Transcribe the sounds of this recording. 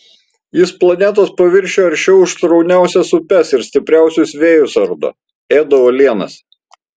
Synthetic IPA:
jɪsplˠɐnʲɛt̪ɐspɐʋʲɪɾʲʃʲoːɐɾʲt͡ʃʲɛʊɪʃt̪ɾɒʊnʲæˑʊsʲɛsʊpʲɛsɪɾsʲt̪ʲɪpʲɾʲæˑʊsʲʊsʋʲeːjʊsɐɾd̪o̰ː | eːd̪ɐʋoːlʲiɛnɐ̰s

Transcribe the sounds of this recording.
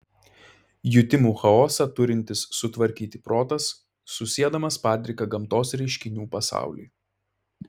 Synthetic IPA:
jʊt̪ʲɪmuːxɐoːsɑt̪ʊɾʲɪnʲt̪ʲɪsːʊt̪ʋɐɾʲkʲiːt̪ʲɪpɾoːt̪ɐsː | ʊsʲiɛd̪ɐmɐspɑːt̪ʲɾʲɪkɐɡɐmˑt̪oːsɾʲɛɪʃʲkʲɪnʲuːpɐsɑ̰ˑʊlʲḭː

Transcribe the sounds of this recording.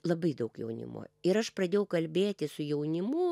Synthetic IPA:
lˠɐbɐɪd̪ɐʊkjɛ̰ʊnʲɪ̰mo̰ːɪɾɐʃpɾɐd̪ʲeːjɛʊkɐlʲbʲeːt̪ʲɪsʊjɛʊnʲɪmʊ

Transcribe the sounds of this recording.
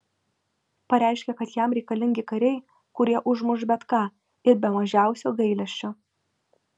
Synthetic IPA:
pɐɾʲæˑɪʃʲkʲɛkɐt̪jɛmɾʲɛɪkɐlʲɪŋʲɡʲɪkɐɾʲɛɪ | kʊɾʲiɛʔʊʒmʊʒbʲɛt̪kɑː | ɪɾbʲɛmɐʒʲæˑʊsʲoːɡɐɪlʲɛʃʲt͡ʃʲoː

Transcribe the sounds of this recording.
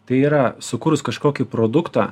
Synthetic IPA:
t̪ɐɪiːɾɐsʊkʊɾʊskɐʃkoːkʲipɾoːd̪ʊkt̪ɑː

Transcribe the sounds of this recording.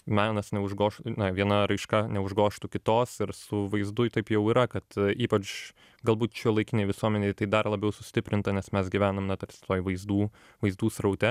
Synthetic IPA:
mɑːnɐsnʲɛʊʒɡoːʃnɐʋʲiɛnɐɾɐɪʃkɐnʲɛʊʒɡoːʃt̪ʊkʲɪt̪oːsɪɾsʊʋɐɪzd̪ʊjt̪ɐɪpjɛʊiːɾɐkɐt̪iːpɐt͡ʃ | ɡɐlˠbuːt̪t͡ʃʲɛːlˠɐɪkʲɪnʲeɪʋʲɪsuɔmʲɛnʲeːt̪ɐɪd̪ɐrlˠɐbʲɛʊsʊsʲt̪ʲɪpʲɾʲɪnt̪ɐnʲɛsmʲɛsɡʲiʋʲæːnɐmnɐt̪ɐɾsʲɪ̥t̪oːjʋɐɪzd̪uː | ʋɐɪzd̪uːsɾɐʊt̪ʲɛ

